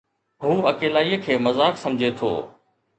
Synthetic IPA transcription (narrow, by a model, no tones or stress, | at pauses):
ɦuːɐkeːlaːijəkʰeːmɐzaːksɐ̃md͡ʑʱet̪ʰo̰ː